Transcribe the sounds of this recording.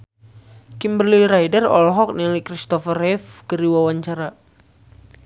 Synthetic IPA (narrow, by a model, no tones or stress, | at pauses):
kimbərliɾajdərɔ̰lɦɔk̚nilikɾist̪ɔfərɛfkəɾiwawaɲt͡ʃaɾa